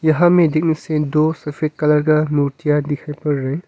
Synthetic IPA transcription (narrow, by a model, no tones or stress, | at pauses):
jɐɦãmedik̚nisedosɐpʰet̚kɐlɐɾɡamuɾtijad̪ikʰajpɐɾːej